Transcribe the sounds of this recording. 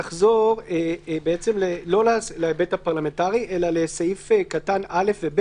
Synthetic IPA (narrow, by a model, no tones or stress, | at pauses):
aχzo̞ʁebeet͡se̞mlelo̞lalaebethapaʁlame̞ntaʁiʔe̞lale̞sajifekatanale̞fveb